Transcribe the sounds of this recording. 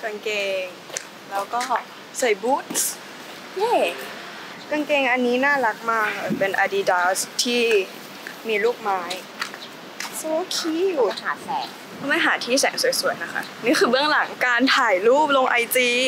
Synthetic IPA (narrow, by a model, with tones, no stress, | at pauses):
ka˧ŋkeː˧ŋ | lɛː˦˥wkɔː˥˩ | sa˨˩˦jbuː˦˥t̪̚s | jeː˧˥˩ | ka˧ŋkeː˧ŋʔa˧nːiː˦˥naː˥˩la˦˥k̚maː˧˩ka˧˩pe˧nʔa˧di˧daː˦st̪ʰiː˥˩ | miː˧luː˥˩k̚maː˦˥j | so˧˦kʰiː˧˥juː˨˩t̪ʰaː˨˩sɛː˨˩˦ŋ | ɔ˧˩ma˥˩ɦaː˨˩˦t̪ʰiː˥˩sɛ̰ː˩˦ŋsu˨˩˦jsu˨˩˦əjna˦˥kʰa̰˦˥˩niː˧˥˩xʰɯː˧bɯ˥˩əŋla˨˩˦ŋkaː˧nt̪ʰaː˨˩jluː˥˩p̚lo˧ŋʔa˧jt͡ɕiː˧